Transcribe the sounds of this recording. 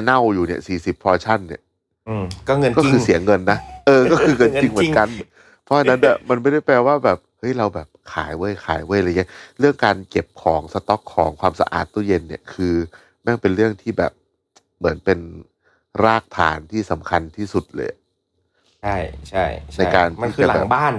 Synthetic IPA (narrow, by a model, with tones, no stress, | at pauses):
na˥˩wjuː˨˩ni˥˩ɐsiː˨˩si˨˩pʰːɔː˧t͡ɕʰa˥˩nːi˥˩˧ | kɔ˥˩ŋ˧kɔː˥˩kʰɯː˧si˩˦ɐŋɤ˧nːa˦˥ʔɤː˧kɔː˥˩kʰɯː˧ŋɤ˧nt͡ɕi˧ŋmɯ˩˦˧ŋnka˧n | pʰɔ˦˥ʔa˧nːa˦˥nːa˥˩ma˧nme˥˩da˥˩jpɾɛː˧waː˥˩bɛː˨˩p̚hɤ˦˥jɾa˧wbɛː˨˩p̚kʰaː˩˦jwɤ˧˥˩jkʰa̰ː˩˦jwla˧˨˩ɾɯ˥˩əŋkaː˧nke˨˩p̚kʰɔː˩˦ŋsa˧t̪ɔ˦˥kʰːɔː˩˦ŋkʰwaː˧msa̰˧ʔa̰ː˨˩t̪ːuː˧˥˩je˧nːi˦˥˩əkʰɯː˧ | na˥˩ŋpe˧nɾɯ˥˩əŋt̪ʰiː˥˩bɛ̰ː˨˩p̚ | mɯ˩˦npe˧n | ɾaː˥˩k̚t̪ʰa̰ː˩˦nt̪ʰiː˥˩sa˩˦mkʰa˧nt̪ʰiː˥˩su˨˩t̪̚lɤ̰ː˧jʔa˩ | t͡ɕʰa˥˩jt͡ɕʰa˥˩jna˧jkaː˧nt̪ːt͡ɕːa˧˩a˨bɛː˨˩baː˥˩n